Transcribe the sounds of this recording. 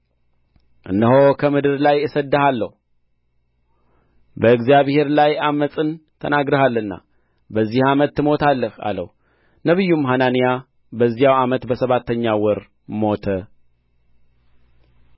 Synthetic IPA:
ʔɨnːəɦokʰəmɨd̪ɨɾlajɨsəd̪ːəhalːəhu | bəɨɡzijaβhe̞ɾlajamːəsʼɨnt̪ʰə̰naɡɾəhalːɨnːa̰ | bəzːihamət̪ːɨmo̞t̪ʰalːəha̰lə̰h | nəβɨjːumɦananija | bəzːijawamət̪bəsəβat̪ʰːəɲːawɔɾ | mo̞t̪ʰə

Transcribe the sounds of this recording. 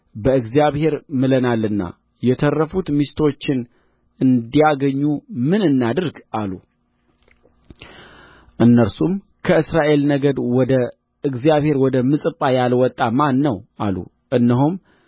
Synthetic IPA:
bəɨɡzijaβhe̞ɾmɨlənalːɨnːa̰ | jɛt̪ʰərːəfut̪mist̪ʰo̞t͡ʃːɪn | ɨnd̪ijaɡəɲːumɨnɨnːad̪ɨɾɡalːu | ʔɨnːəɾsum | kʰəɨsɾaʔe̞lnəɡəd̪wɔd̪ə | ɨɡzijaβhe̞ɾwɔd̪əmɨsʼɨpʼːajalwɔt̪ʼːamanːəwa̰lːṵ | ʔɨnːəɦum

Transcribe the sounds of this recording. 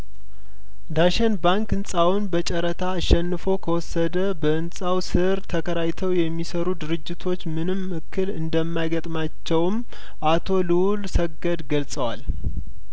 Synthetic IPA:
d̪aʃɛnbaŋkɨnsʼawʊnbət͡ʃʼəɾət̪ʰaːʃːɛnːɨfo̞kʰəwɔsːəd̪əbəɨnsʼawsɨɾt̪ʰəkʰəɾajt̪ʰəwjɛmːisəɾud̪ɨɾɨd͡ʒːɪt̪ʰo̞t͡ʃːmɨnɨmɨkʰːɨlɨnd̪əmːajɡət̪ʼmat͡ʃːɛwm | ʔat̪ʰo̞lɨwulsəɡəd̪ɡəlsʼəwa̰l

